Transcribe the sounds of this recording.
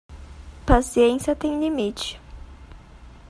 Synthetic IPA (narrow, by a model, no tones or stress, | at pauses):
pasiẽsiɐt̪ẽj̃limit͡ʃɪ̥